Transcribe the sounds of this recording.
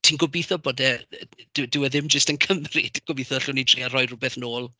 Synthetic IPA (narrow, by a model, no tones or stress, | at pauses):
tʰiːnɡɔbiːθɔboːdɛd̥ɪdɪwɛðɪmd͡ʒəstənkʰəmrɪd̥ɡ̥ɔbiːθɔɬʊnitʰriːarɔjrʊbɛθnoːlˠ